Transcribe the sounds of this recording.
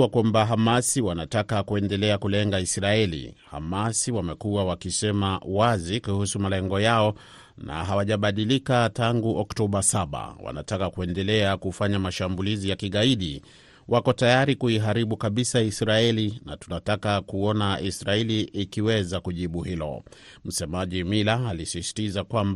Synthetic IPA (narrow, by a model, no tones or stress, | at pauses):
wakwambaɦamasiwanatakakuɛndɛlɛakulɛŋɡaisɾaɛlḭha̰masiwamɛkuawakisɛmawazikuhusumalɛŋɡɔjaɔ | na̰ɦawaʄaɓaɗilikataŋɡuʔɔktɔɓasaɓa̰wa̰na̰takakuɛndɛlɛakufaɲamaʃambulizijakiɠaiɗi | wʔakɔtajaɾikuiɦaɾiɓukaɓisaisɾaɛlina̰tunatakakuɔnaisɾaɛliʔːkiwɛzakuʄiɓuɦilɔ̰ | m̩sɛmaʄimilaalisisi̥tizakwamb